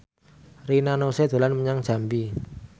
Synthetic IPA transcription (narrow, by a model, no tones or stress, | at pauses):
rinanosed̪̥o̤lanməɲaŋd̥ʒ̥a̤mpi